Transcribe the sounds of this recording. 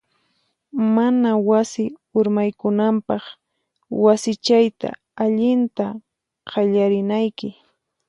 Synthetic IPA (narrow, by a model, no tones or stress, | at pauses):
manawasɪʊɾmajkʊnampɑχ | wasɪt͡ʃajt̪a̰ | aʎɪnt̪a | qʰɑʎaɾɪnajkɪ